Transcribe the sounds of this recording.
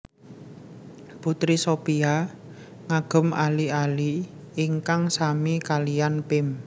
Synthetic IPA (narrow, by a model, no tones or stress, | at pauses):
put̪ɾisopia | ŋaɡ̥ʊ̤malialiː | ŋkaŋsamikalijanpɪm